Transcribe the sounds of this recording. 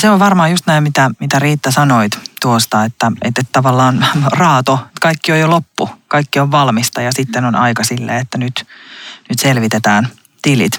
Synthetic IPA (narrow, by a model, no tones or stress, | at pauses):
seoʋʋɑrmɑːjust̪næimmit̪æmit̪æriːt̪ːæsɑnoit̪t̪uost̪ɑet̪ːæḛt̪ːet̪t̪ɑʋɑlːɑːnrɑːt̪oet̪kɑikːiojolopːukɑikːioʋʋɑlmist̪ɑjɑsit̪ːenonɑ̰ikɑsilːḛːet̪ːænyt̪nyt̪selʋit̪et̪æːn | t̪ilḭt̪